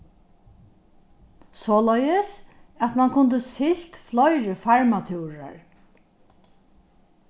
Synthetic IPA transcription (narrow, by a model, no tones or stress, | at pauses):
sɔːlœjəsæt̪mankʰʊnt̪̬əsɪl̥t̪flɔjɾəfaɹmat̪ʰuwɾa̰ɹ